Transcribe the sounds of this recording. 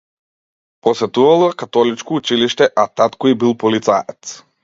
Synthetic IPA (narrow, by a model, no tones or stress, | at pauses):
pɔsɛt̪uvalˠakat̪ɔlit͡ʃkɔut͡ʃiliʃt̪ɛʔat̪at̪kɔibilˠpɔlit̪saɛt̪s